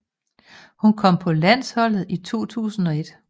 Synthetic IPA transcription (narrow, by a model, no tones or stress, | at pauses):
hunkʰɒ̽m̰pʰɒ̽læn̰shɒ̽l̰ð̞̩ˠit͡sʰo̝̰ːt͡sʰṵːsn̩ɒ̽e̝d̥